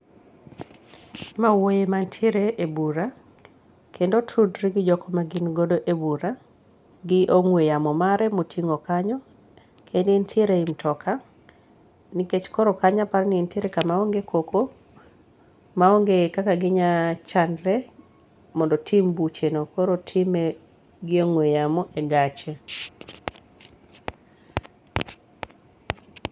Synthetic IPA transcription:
mawojemantʰiɾeʔebuɾa | kʰendotʰudɾiɡɪd͡ʒɔkɔmaɡinɡodoʔebuɾa | ɡɪʔoŋwejamɔmaɾɛmotʰiŋokaɲɔ | kʰendntʰiɾeimtʰɔkʰa | nɪket͡ʃkɔɾɔkaɲapaɾnɪintɪɾɛkamaoŋɡekoko | maoŋɡekakaɡɪɲat͡ʃandɾɛ | mɔndɔtʰimbut͡ʃenokoɾotʰime | ɡɪoŋwejamɔʔeɡat͡ʃe

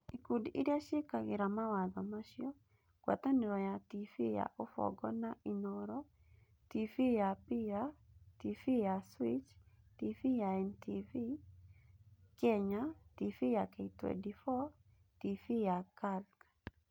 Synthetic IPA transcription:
ikudḭɾjaʃɪkaɡɪɾamawaðɔmaʃjɔ | kwa̰t̪anɪɾɔjatifḭja̰ʔofɔ̰ɡɔnaʔinɔɾɔ | tifijapiɾa | tifijaswit͡ʃ | tifijaɛntʰivi | kɛɲatifijakɛitwḛdifɔ | tifijakalk

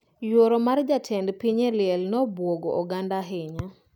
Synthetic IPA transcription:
joɾomard͡ʒatʰɛndpiɲelɪɛlnɔbwoɡoʔɔɡandaɦɪɲa

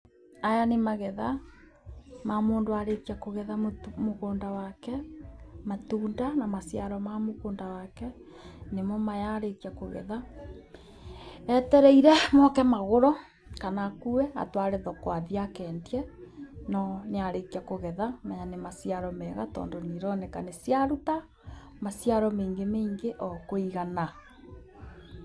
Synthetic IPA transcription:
ajanemaɣɛða | mamoːndoaɾekiakoɣɛðammokoːndawakɛmatuːndanamasiaɾɔmamokoːndawakɛ | nemɔmajaɾekiakoɣɛ̰ða | ɛtɛɾɛiɾɛmɔkɛmaɣoɾɔ | kanakuɛa̰twaɾeðɔkwaðiakɛndiɛnɔneaɾekiakoɣɛðamajanemasiaɾɔmɛɣa̰tɔ̰ːndoniɾɔnekanesjaɾuta | masjaɾɔmeːŋɡemeiŋɡeʔɔkoiɣana

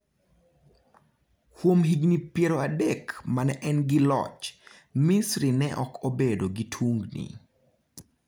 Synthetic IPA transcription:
kwomɦiɡnipjeɾoadekmanɛʔɛnɡɪlɔ̰t͡ʃ | misɾinɛʔɔkʰobedoɡitʰwuŋɡnḭ

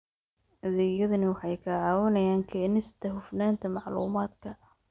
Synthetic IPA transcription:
ʔɐðɛɣjɐðɐnɐwɑħɑjkʰɐʕɑːwɐnɐjaːŋkʰɛːnɪst̪ʰɐɦʊfnaːnt̪ʰɐmɑʕlṵːmaːd̪kʰɐ

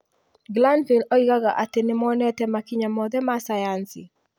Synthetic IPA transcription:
ɡlanviloiɣaɣaʔatenɪmɔnɛtɛmakiɲamɔðɛmasajansɪ̰

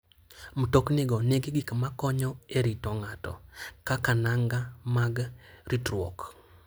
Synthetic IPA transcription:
m̩toknɪɡɔneɡɪɡikmakɔɲɔeɾitɔŋatɔ̰kakanaŋɡamaɡɾitɾwo̰k

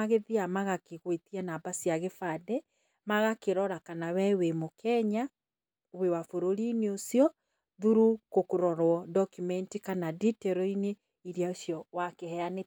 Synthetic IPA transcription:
aɣeðiamaɣakeɣwetianabasiaɣefadɛ | maɣakeɾɔɾakanawɛwemokʰɛɲa | wewafoɾoɾiːneosiɔ | ðuɾukokoɾɔɾwɔdɔkumɛntikanaditɛɾɔine | iɾjaosjɔwakehɛane

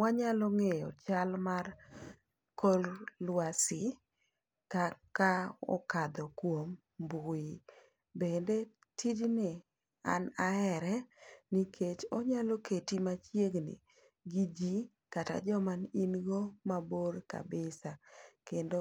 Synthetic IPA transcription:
waɲalɔŋejɔt͡ʃalmar | kollwasɪ | kakaɔ̰kad̪ɔkwom | bʊi | bende | tid͡ʒnɪ | a̰naɛɾɛnikʰet͡ʃɔɲalɔokʰetimat͡ʃjeɡnɪ̰ | ɡid͡ʒi | kata̰d͡ʒɔmaninɡomaboɾka̰bɪsakendo

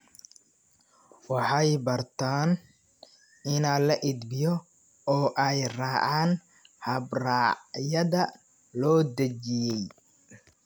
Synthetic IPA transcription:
wɑħɑjbɐrt̪ʰaːn | ɪnaːlɐʔɪd̪bɪjɔ | ɔːʔɛjrɑːʕɑːn | hɐbraːʕjɐðɐ | lɔːd̪ɐt͡ʃɪjɛj

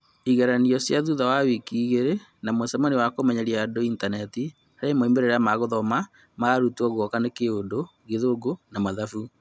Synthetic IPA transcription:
iɣaɾaniɔsjaðuðawawikiːɣeɾenamosɛmaniwakomɛɲaɾjadointanɛti | aɾemoimeɾeɾamaɣoðɔma | maɾutuɔɣwɔkanekeondo | ɣeðoɡonamaðafu

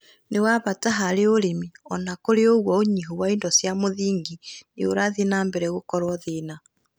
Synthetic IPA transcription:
newaβataɦaɾeoɾemiɔnakoɾeoɣwɔoɲiɦowaindɔsjamoðiːŋɡineoɾaðinaːmbɛɾɛɣokɔɾwɔðena

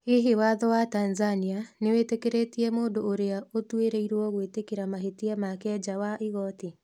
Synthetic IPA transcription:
eɦewaðɔwatanzanianewetekeɾetiɛmoːndooɾeaotweɾeiɾwɔɣwetekeɾamaɦetiɛmakɛd͡ʒawaʔiɣɔte

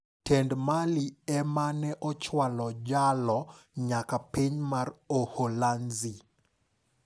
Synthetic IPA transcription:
tɛndmaliɛmanɛʔɔt͡ʃwalɔd͡ʒalɔɲakapiɲmaroholanzi

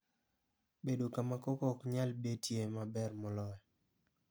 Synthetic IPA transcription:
bedokamakokɔkɲalbetjemabɛrmɔlɔjɔ

